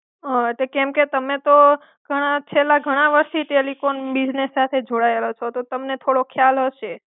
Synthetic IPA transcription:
ɦə̃eʈlekɛmket̪əmet̪o | ɡ̥ʱəɽ̃at͡ʃʰelaɡʱəɽ̃aʋəɾst̪ʰiʈelifonbid͡ʒnesːat̪ʰed͡ʒoɽaelot͡ʃʰot̪ot̪əmnet̪ʰoɽokʰjalɦəʃe

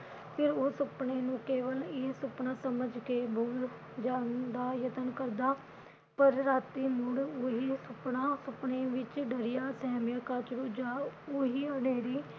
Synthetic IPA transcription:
pʰɪɾoːsʊpɳeːnũːkeːʋəlɪsʊpɳaːsəməd͡ʒkeːbʱuːl | d͡ʒaːnd̪aːjət̪ənkəɾd̪aː | pəɾːaːt̪iːmʊɳoɦiːsʊpɳaːsʊpɳeːʋɪt͡ʃɖəɾɪjaːsɛːmjaːkaːt͡ʃɾuːd͡ʒaːoːɦiːəneːɾiː

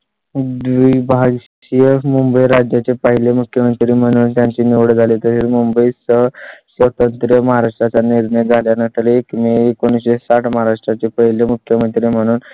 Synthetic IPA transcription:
d̪ʋiːbʱaɡ | iemumbəiɾad͡ʑjat͡ɕepəɦilemukʰjəmənt̪ɾiːm̤əɽ̃uːnt̪jaɲt͡ɕiniʋɽd͡zʱalit̪əseɾmumbəisəɦsʋət̪ənt̪ɾjəməɦaɾaʂʈɾat͡saniɾɳəjd͡zʱaljanat̪əleːkmiekoñiesaʈməɦaɾaʂʈɾat͡ɕepəɦilemukʰjəmənt̪ɾim̤əɽ̃uːn

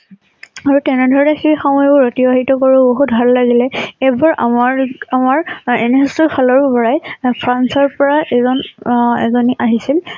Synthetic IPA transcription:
aɹutɛnɛdʱɔɹɔnɛxejxɔmɔjbʊɹotibaɦitɔkoɹuboɦut̚bʱalːaɡilɛebɔɹʔa̰maɹamaɹenɛɦɔstɔpʰalɔɹbbɔɹajpʰɹansɔɹpɔɹaʔɛzɔnɛzɔniʔaɦisil

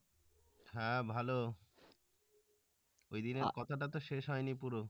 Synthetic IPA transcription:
ɦɛ̃bʱalo | ojd̪ineɾkɔt̪ʰaʈat̪oʃeʃɦɔenipuɾo

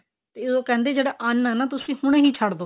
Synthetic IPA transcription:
t̪eːɪdoːkɛ̃ːnd̪eːd͡ʒeːɽaːʔənɛːnaːt̪ʊsĩːhʊɽ̃ẽːɦiːt͡ʃʰaɽd̪oː

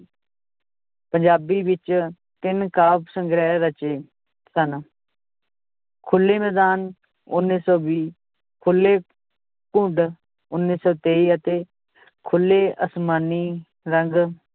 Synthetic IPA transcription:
pəɲd͡ʒaːbiːʋɪt͡ʃ | t̪ɪnkaːpsəŋɡɾɛːɾət͡ʃeː | sən | kʰʊlːeːmɛːd̪aːn | ʊnːiːsɔːʋiː | kʰʊlːeː | kʊ̃ɳɖ | ʊnːiːsɔːt̪eːiːət̪eː | kʰʊlːeːʔəsmaːniː | ɾəŋɡ

